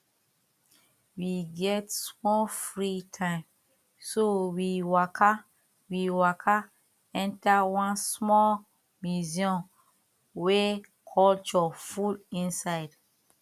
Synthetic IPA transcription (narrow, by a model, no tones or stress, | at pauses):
wiɡɛtsmɔlfɹitʰãɪ̃m | sowiwakʰa | wiwakʰa | ɛ̃ntawãnsmɔl | miziɔ̃n | we | kʰɔlt͡ʃɔfulĩnsaɪd